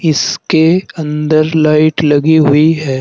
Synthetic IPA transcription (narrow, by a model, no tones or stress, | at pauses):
ɪskeɐ̃nd̪əɾlaːɪʈlɐɡiɦʊiɦɛː